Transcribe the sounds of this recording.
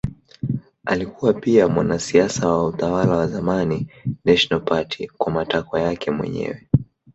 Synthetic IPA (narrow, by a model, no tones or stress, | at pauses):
a̰likuwapiamwanasiasawautawalawazamaninɛʃnalpatʰḭkwamatakwajakʰɛmwɛ̰ɲɛ̰wɛ